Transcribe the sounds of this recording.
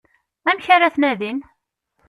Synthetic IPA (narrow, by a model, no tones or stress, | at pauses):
æmçaɾæθnæðin